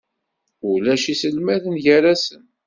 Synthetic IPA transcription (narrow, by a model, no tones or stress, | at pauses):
ulæʃisəlmæðənʝæɾæsən